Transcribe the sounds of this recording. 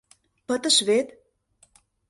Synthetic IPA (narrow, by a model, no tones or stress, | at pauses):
pə̆t̪əʃβet̪